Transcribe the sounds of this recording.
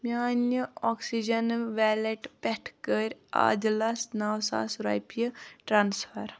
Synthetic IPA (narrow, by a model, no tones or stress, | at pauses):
mʲaːnjəɔksid͡ʒɐnʋɛleʈpɛʈʰkəɾʲa̰ːd͡ʒlɐsnawsa̰ːsɾa̰jpijəʈɾaːnsfʰɐɾ